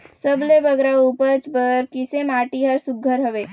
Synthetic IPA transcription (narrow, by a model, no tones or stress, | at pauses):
səblebəɡɾauːpət͡ʃpəɾkɪsemaːʈiɦəɾsʊɡʱːəɾɦɐʋeː